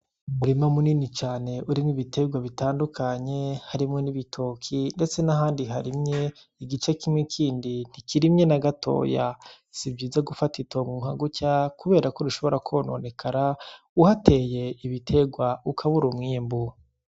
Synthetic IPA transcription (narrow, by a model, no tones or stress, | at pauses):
muɾimamuninit͡ʃaːne̞ʔuɾimŋiβitʰe̞ɡwaβitaːndukʰaɲe̞haɾimŋeniβitʰoːkʰinde̞t͡se̞naɦaːndiɦaɾimɲe̞ | iɡit͡ʃe̞kimŋekʰiːndin̥ikiɾimɲe̞naɡatʰo̰ːja | sibɟiːzaɡufatitʰoːŋɡuːŋhaɡucakuβeːɾako̞ɾuʃo̞βo̞ɾakʰo̞no̞̰ne̞kʰaɾa | uhatʰe̞ːje̞iβitʰe̞ɡwaukʰaβuɾumŋiːmbu